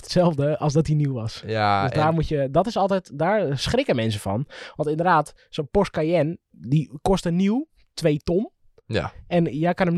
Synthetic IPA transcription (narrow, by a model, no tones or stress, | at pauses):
ətsɛlˠfdəɔlˠsdɔt̚diniwʋɔsdøzdaːrmutjədɔtɪsɔlˠtɛjtdaːɹsχrɪkəmɛns̬əfɔ̰nʋɑntɪndərdaːt | sonpɔst̚kajɛn | dikɔstəniw | tʰʋejton | ɛnjajkɑnəm